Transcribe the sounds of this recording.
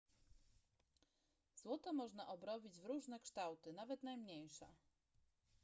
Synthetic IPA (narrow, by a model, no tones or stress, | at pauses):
z̥wɔt̪ɔmɔʐnaʔɔbɾɔbʲid͡ʑvɾuʐnɛkʂt̪awt̪ɘnavɛt̪najmɲejʂɛ̰